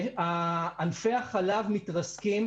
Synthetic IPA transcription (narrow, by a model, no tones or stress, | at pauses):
aːnfeaχalavmit̪ʁaskim